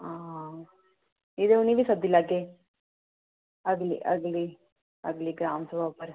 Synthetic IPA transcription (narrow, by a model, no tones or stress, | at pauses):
aː | id̪euniʋisɐd̪ilaɡe | ɐɡlḭʔɐ̰ɡli | ɐɡliɡɾaːmsɐʋapɐɾ